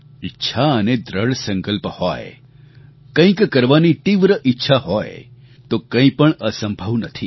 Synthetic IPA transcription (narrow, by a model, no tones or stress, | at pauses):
ɪtːʃʰaəned̪ɾəɽsə̃ŋkəlphɔj̰ | kə̃ĩkkəɾʋanit̪iʋɾəʔɪtːʃʰaɦɔjḛ | t̪okə̃ĩpəɳəsəmbʱəʋnət̪ʰi